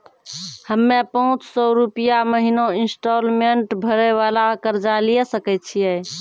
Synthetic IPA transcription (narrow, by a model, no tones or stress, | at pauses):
həmːepəɦũt͡ʃsɔɾupijaməɦinoinsʈɔlmeɳʈbʱəɾɛʋalakəɾd͡ʒaliɛsəkɛt̪̚t͡ʃʰijɛ